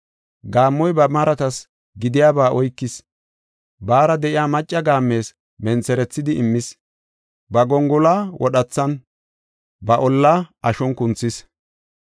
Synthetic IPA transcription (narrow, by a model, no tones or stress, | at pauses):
ɡaːmːɔjbɐmɐɾɐt̪ɐs | ɡɪd̪ɪjaːbaːʔɔjkːɪs | baːɾɐd̪ɛʔɪjaːmɐt͡ʃʼːɐɡaːmːe̞ːs | mɛnt͡sɛɾɛt͡sːɪd̪ɪɪmːɪs | bɐɡɔŋɡɔlaːwʔɔɗɐt͡sːɐn | bɐʔɔlːaːɐʃɔŋkʊnt͡sːɪs